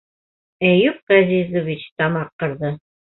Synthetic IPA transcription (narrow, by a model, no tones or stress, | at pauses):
æjup̚ʁæzizovit͡ɕt̪ɑmɑqːɤ̆ɾðɤ